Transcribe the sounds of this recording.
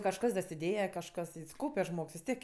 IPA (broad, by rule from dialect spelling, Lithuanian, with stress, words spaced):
kɐʃˈkɐs dɐsʲɪˈdʲeːjɛ kɐʃˈkɐs ɪs ˈkɐʊpʲɛ ˈʒmoːks ʋʲɪs ˈtʲiɛk